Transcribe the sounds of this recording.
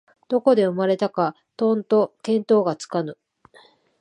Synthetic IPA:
d̪̥o̞ko̞d̪eɯ̟maɾe̞t̪aka | t̪õ̞nt̪o̞kẽ̞nt̪o̞ːɡat͡sɨ̥kanɯ̟

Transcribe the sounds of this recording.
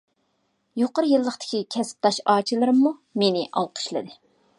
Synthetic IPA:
joqəɾjɨlˠːəχt̪ʰɪ̥kʲikʲʰɛsp̚t̪ʰɑʃɑːt͡ʃʰilˠɨɾɨmːumenɪʔɑlˠqʰə̥ʃlˠɨ̰d̪ɨ

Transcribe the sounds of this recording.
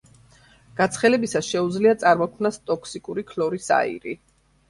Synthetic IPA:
ɡ̥at̪sʰχɛlɛbisasʃɛud̪zliat̪sʼaɾmɔkʰmnast̪ʼɔkʰsikʼuɾikʰlɔɾisa̰ḭɾi

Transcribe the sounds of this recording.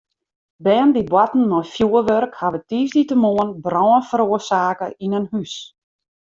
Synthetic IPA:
bɛːndibwatn̩nɔjfjuəʋørkhaʋətiːsditəmoənbrɔːənfəɾoərsaːkəʔinənhys

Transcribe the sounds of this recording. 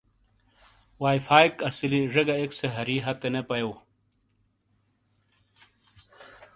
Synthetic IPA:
waːjfaːikɐsiliʐɐɡɐekseɦɐɾiɦɐt̪ːenepɐjow

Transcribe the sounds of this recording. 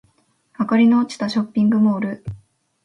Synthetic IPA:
hakaɾʲino̞ːt͡ɕi̥t̪aɕo̞pʲːĩŋɡɯ̟mo̞ːɾɯ̟

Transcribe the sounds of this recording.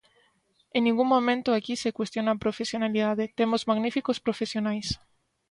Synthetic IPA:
enĩŋɡuŋmõmẽnt̪oakisekwest̪jonapɾofesjonaliðaðet̪emozmaɣnifikospɾofesjonajs

